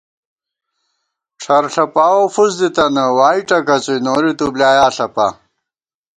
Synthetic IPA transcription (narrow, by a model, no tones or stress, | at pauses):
ʈ͡ʂʰɐɾɬɐpaːwofuzd̪it̪ɐnɐwaːiʈɐkɐt͡sujnoːɾit̪ublaːjaːɬɐpa̰